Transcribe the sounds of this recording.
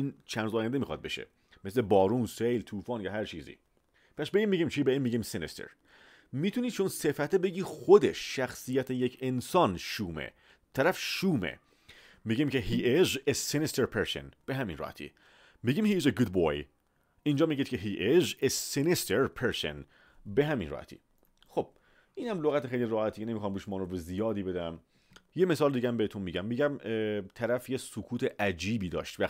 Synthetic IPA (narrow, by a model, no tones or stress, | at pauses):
iːnt͡ʃʰænzɒːjænd̪emiːxɒ̰d̪̚be̞̰ʃḛ | meslebɒːɾuːnsejlt̪ʰuːfɒːnjɒːɦæɾt͡ʃʰiːzḭ | pʰæsbeimːiɟiːmt͡ʃʰiːbeiːmːiːɟimsenist̪ḛɾ | miːt̪ʰuniːt͡ʃʰonsefæt̪ʰebeɟiːxod̪eʃːæxsijæt̪ʰejecʰensɒːnʃuːmḛ | t̪ʰæɾæfʃuːmḛ | miɟimceɦiːʔizesenist̪ʰeɾpʰeɾso̰nb̥eɦæminrɒ̰hæ̰t̪ʰḭː | miɡiːmhiːzeɡud̪̚boj | ind͡ʒɒːmiɟiːd̪̚cʰeɦiːʔizesenist̪ʰeɾpʰeɾso̰n | beɦæminrɒ̰hæ̰t̪ʰḭ | xo̞b̥̚ | ʔiːnhæmloɣæt̪exejliɾɒːhæt̪ʰiːcenemiːxɒːmɾuːʃmɒːnɾobezijɒːd̪iːbe̞d̪æm | jeme̞sɒːld̪iɡɟæmbeet̪unmiːɟæmːiːɟæmt̪ʰæɾæfjesokʰuːt̪ʰeʔæd͡ʒiːbiːd̪ɒ̰ːʃt̪væ